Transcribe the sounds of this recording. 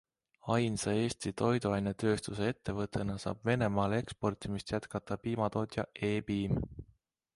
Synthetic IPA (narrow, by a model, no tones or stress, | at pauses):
ɑjnsee̞ːst̪it̪o̞jd̪uɑjnet̪ø̞ːst̪use̞e̞t̪ːe̞vɤt̪ːˑe̞nɑsɑ̰ːb̥ve̞ne̞mɑːle̞kspo̞rt̪ʲˑimist̪jæt̪kɑt̪ːˑɑpiːmɑt̪o̞ːt̪ʲjɑʔe̞ːpiːm